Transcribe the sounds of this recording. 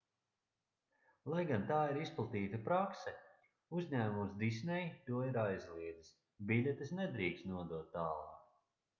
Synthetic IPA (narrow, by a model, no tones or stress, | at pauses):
lˠajɡant̪aːiɾisplˠat̪iːt̪apɾaksɛ | uzɲæːmusd̪is̬nʲɛjt̪uɔiɾajzlˠiɛd̪is | bilʲɛt̪isnɛd̪ɾiːkst̪nuɔd̪uɔt̪ːaːlˠɑ̰ːk